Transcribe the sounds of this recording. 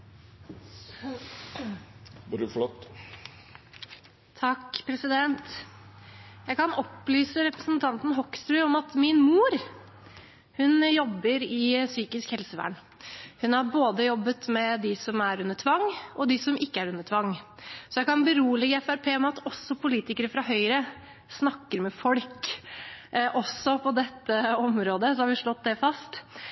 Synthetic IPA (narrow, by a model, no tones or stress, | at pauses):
ɾflɔt̪ː | t̪ʰɑkːpʰɾɛsɪd̪ɛnt̪ | jæɡkɑnɔpːlyːsəɾɛpɾəsnt̪ʰɑnt̪n̩ɦɔkːst̪ɾʉːɔmɑt̪mɪnmuːɾ | hʉnjɔbːəɾɪsyːkɪskhɛlsəʋæ̰ːɳ | hʉnhɑɾboːd̪əjɔbːət̪mɛd̪ɪsɔmæɾʉnːəʈʰʋɑŋːʔɔd̪ɪsɔmɪkːəæɾʉnːət̪ʰʋɑŋːsɔjæɪkʰɑnbəɾuːlɪɡəɛfæɾpʰeːmɛɑt̪ɔsːɔpʰʊliːt̪ɪkəɾəfɾɑɦœʏɾə | snɑkːəɾmɛfɔlk | ʔɔsːɔpʰɔd̪ɛt̪ːəɔmɾoːd̪əsɔhɑɾʋɪʂɭɔt̪̚ːd̪ɛfɑst̪